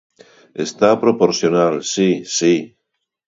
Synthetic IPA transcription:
est̪apɾopoɾθjonalsisi

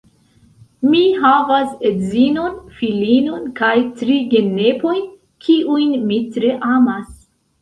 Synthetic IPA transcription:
miɦavasedzinonfilinonkajtɾiɡe̞nepo̞jn | kʰiʔujnmitɾeʔamas

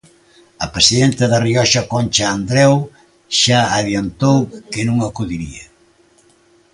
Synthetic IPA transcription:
ɐpesiðent̪ɐðɐriɔʃɐkɔnʲt͡ʃaːnd̪ɾɛw | ʃaaβjɐnt̪owkɪnũŋɐkuðiɾiɐ

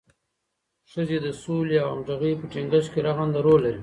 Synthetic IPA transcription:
ʂəzed̪əsuliawa̰mʐaɣijpəʈeŋɡaʃkeɾaɣand̪aɾolːaɾi

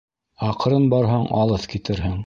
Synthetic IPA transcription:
ɑqɾɤnbɑɾɦɑɴɑ̰lˠɤθkit̪ɘ̆ɾɦɘŋ

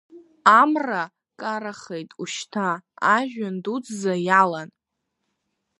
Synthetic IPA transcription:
amra | kʼaɾaχejtʼuʃtʰaːʒᶣandud͡zzajalan

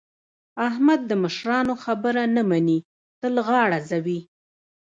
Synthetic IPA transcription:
ahmad̪̚ːəməʃɾɑnoxabəɾanamani | t̪əlɣɑɽazawi

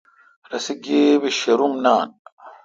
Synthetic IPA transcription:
ɾɐsiɡeːβiɕeɾumnaːn

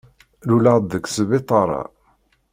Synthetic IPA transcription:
lulad̪əkːsβɪt̪ˤɑɾˤɑ̰

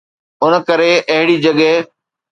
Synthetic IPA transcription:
ʊn̆kɐɾeʔɐɦɪɽid͡ʑɐɠɛɦ

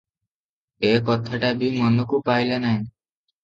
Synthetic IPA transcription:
ekɔt̪ʰaʈabʱimɔnɔkupajlanaɦj̃

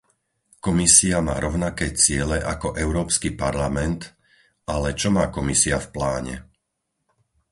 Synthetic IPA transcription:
kɔmisiama̰ːɾɔʊnakɛːt͡sɪɛlɛʔakɔʔɛʊɾɔːpskipaɾlamɛnt̪ | alɛt͡ʃɔmaːkɔmisiafplaːɲɛ̰

